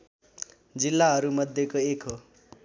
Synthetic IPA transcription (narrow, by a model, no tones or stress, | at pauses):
d͡zilːaɦʌɾumʌd̪ʱjekoekɦo